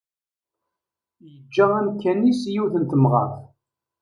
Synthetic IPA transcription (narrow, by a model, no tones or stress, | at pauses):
jəd͡ʒːææmkːænisjuwθənt̪əmʁɑ̰θ